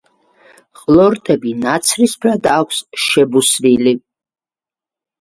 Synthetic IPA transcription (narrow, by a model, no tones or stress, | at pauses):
χʼlɔɾt̪ʼɛbinat̪sʰɾispʰɾad̪aːkʷʰsʃɛbusvili